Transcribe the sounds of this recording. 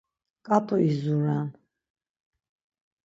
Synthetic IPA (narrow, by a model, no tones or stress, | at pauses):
kʼatʼuizuɾan